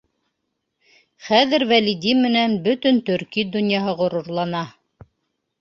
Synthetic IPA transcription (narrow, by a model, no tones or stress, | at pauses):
χæðɘɾwælid̪imɘ̆nænbɵt̪ɵnt̪ɵ̆ɾkid̪ɵ̆njɑɦɤʁŏɾŏɾlˠɑnɑ